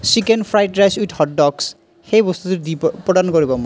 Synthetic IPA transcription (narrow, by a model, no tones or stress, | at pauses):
sikenpʰɹajt̚ɹajsuithɔt̚dɔks | xejbɔst̪ut̪utdipɹɔdankoɹibɔmɔ